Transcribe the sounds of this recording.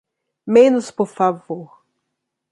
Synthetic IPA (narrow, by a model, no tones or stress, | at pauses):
mẽnʊspoɾfavoɾ